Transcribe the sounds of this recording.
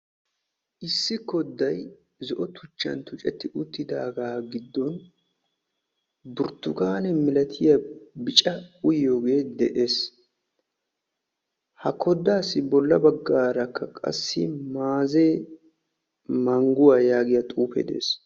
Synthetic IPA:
ʔɪsːɪkːɔd̪ːɐj | zɔʔɔt̪ʰʊt͡ʃːɐ̰nt̪ʊt͡ʃʼɛt̪ːɪʔʊt̪ːɪd̪aːɡaːɡɪd̪ːɔn | bʊɾt̪ːʊɡaːnɛmɪlɐt̪ʰɪjɐbɪt͡ʃʼɐʊjoːɡe̞ːd̪ɛʔe̞ːs | hɐkɔd̪ːaːsːɪbɔlːɐbɐɡːaːɾɐkʰːɐkʼɐ̰sːɪ̰maːzeː | mɐŋɡʊwajaːɡɪjɐt̪ʼuːfɛ̰d̪ḛːs

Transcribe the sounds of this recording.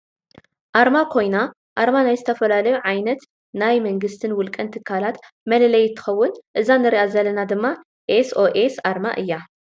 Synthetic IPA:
ʔaɾmakʰo̞jna | ʔaɾmanajzɨt̪ʰɐfɐlalɐjuʕajnɐt̪ | najmɐŋɡɨst̪ʰɨnwʊlkʼɐnt̪ʰɨkʰːalat̪ | mɐlɐlɐjɪt̪ʰːɨ̥xɐwːʊnʔɨzanɨɾiʔazɐlɐnad̪ɨmːa | ʔesʔo̞ʔesaɾma̰ʔɨjːa

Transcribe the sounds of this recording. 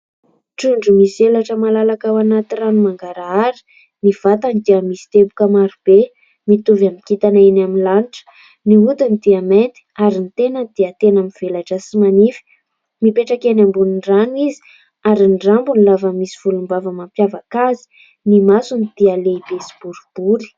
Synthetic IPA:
ʈ͡ʂuɳɖ͡ʐumisielaʈ͡ʂəmalalakawanat̪iɾanumaŋɡaɾaaɾi̥ | niv̥at̪anid̪iəmisi̥t̪ebukəmaɾub̥e | mit̪uvamikit̪anainaminlaniʈ͡ʂə̥ | niɦud̪unid̪iament̪i̥aɾinit̪enəd̪̥iət̪enamiv̥elaʈ͡ʂəsimanifi̥ | mipeʈ͡ʂakenambuniɳranizi̥ | aɾinɖ͡ʐambunilavəmisi̥v̥ulumbavəmampjavakazi̥ | nimasunid̪̥ialeibesi̥b̥uɾub̥uɾi̥

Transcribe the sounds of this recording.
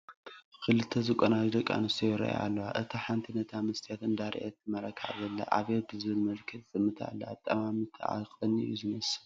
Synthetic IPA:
kʰɨlɨt̪ʰːɐzɨkʼonad͡ʒd̪ɐkʼːa̰nɨst̪ʰojɛɾɐ̰ʔj̰a̰lːɐwaʔɨt̪ʰaħant̪ʰinɐt̪ʰamɨst̪ʰijat̪ʰɨnd̪aɾ̰ʔet̪̚ːɨmɐɾɐkʰa̰ʕzɐlːɐ̰ʔa̰βebɨzɨβɨlmɐlkʰɐt̪z̥ɨmːɨt̪ʰa̰lːɐat̪ʼːɐmamɨt̪ʰɨʕa̰kʼɨnːɨ̰juzɨnɐs

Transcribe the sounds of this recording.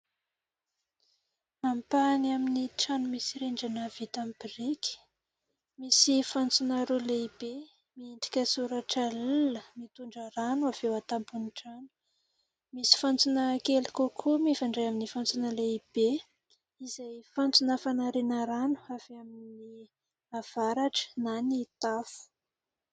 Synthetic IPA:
ampaniaminiʈ͡ʂanumisiɾeɳɖ͡ʐanəv̥it̪ambiɾikʲi̥ | misifant͡sunaɾoleib̥e | miind̪i̥kʲəsuɾaʈ͡ʂəluləmit̪uɳɖ͡ʐəɾanuav̥ewat̪ampuniʈ͡ʂanu̥ | misi̥fant͡sunəkelikokʰumifaɳɖ͡ʐejaminifant͡sunəleib̥e | izajfant͡sunəfanaɾenəɾanu̥av̥eamini | av̥aɾaʈ͡ʂə̥nanit̪afu̥

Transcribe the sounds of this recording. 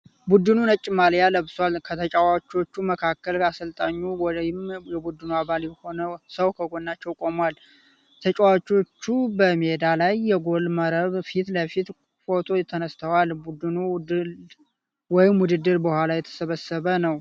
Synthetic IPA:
bud̪ɨnunət͡ʃʼːɪmaljaləβswalkʰət̪ʰət͡ʃʼawat͡ʃːo̞t͡ʃːuməkʰakːəlkasəlt̪ʼaɲːujɪmjɛbud̪ɨnuaβaljɛho̞nəsəwkʰəɡo̞nːat͡ʃːɛwkʼo̞mwal | t̪ʰət͡ʃʼawat͡ʃːo̞t͡ʃːubəmihed̪alajːɛɡo̞lməɾəβfit̪ləfit̪ | fo̞t̪ʰo̞jt̪ʰːənəst̪ʰəwalbud̪ɨnu | wɔjɪmwʊd̪ɨd̪ːɨɾbəhʷwalajɛt̪ʰə̥səβəsəβənəw

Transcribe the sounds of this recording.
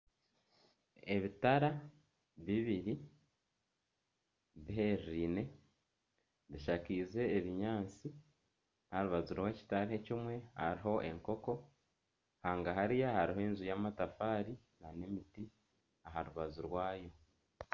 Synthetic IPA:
e̞βitaɾa | βiβiɾi | βiɦeɾiːne̞ | βiʃakiːze̞ːβiɲaːt͡si | haɾuβazuɾwe̞ːci̥taɾihe̞cimwe̞ha̰ɾiɦo̞ʔe̞̰ŋko̞ko̞ | haːŋɡaɦaɾijahaɾiɦoenzujaːmatafaːɾi | nane̞miti | aɦaɾuβazuɾwaːjo̞

